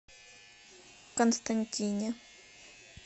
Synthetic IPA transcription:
konst̪anʲtʲinʲa

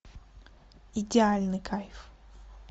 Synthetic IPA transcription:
id̪alʲnɨkʰajf

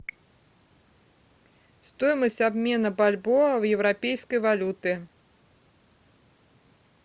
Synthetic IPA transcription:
st̪ɔjmɐsʲtʲabmʲɛnɐbalʲbɔwjɛwɾapʲejskəjvalʲut̪ɨ

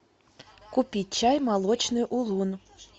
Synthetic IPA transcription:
kupʲit̚ʲt͡ɕajmɑlˠɔt͡ɕnɨʔulˠun

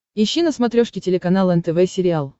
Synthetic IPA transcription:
ɪɕːinəsmɐt̪ɾʲoʂkʲɪtʲɪlʲɪkɐnalˠɛnt̪ɛvɛsʲɪɾʲɪalˠ

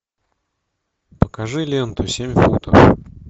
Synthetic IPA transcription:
pəkaʐɨlʲent̪ʊsʲemʲfut̪ɐf

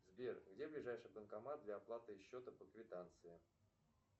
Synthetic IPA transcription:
zbʲerɡdʲe̞blʲɪʐajʂɨjbənkɐmat̪̚d̪lʲaːplˠat̪ɨɪɕːo̞t̪əpəkvʲɪt̪ant̪sɨɪ

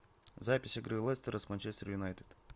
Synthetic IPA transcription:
zapʲɪsʲɪɡɾɨlˠɛst̪əɾəsmant͡ʃest̪əɾjʊnajt̪ɨd̪̥

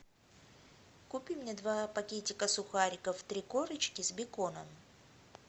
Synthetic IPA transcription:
kʊpʲimnʲed̪vapɐkʲetʲɪkəsʊxaɾʲɪkəft̪ɾʲikoɾɨt͡ɕkʲɪzbʲɪkonəm

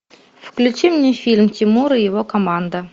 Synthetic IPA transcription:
fklʲʉt͡ɕimnʲefʲilʲmtʲimuɾɨjɪvokomand̪ə

